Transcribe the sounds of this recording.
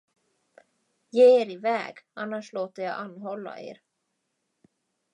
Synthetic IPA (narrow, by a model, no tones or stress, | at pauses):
jeːeːɾɪvɛ̰ːɡanːaʂloːt̪əjaɡʔanːɦɔlːa̰ʔḛːɾ